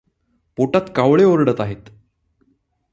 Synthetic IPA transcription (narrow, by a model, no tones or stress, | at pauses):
poʈat̪kaʋɭeoɾɽət̪aɦet̪